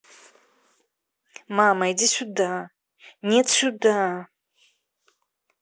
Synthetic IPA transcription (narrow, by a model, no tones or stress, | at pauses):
mamajdisʲud̪a | nʲet̪sud̪a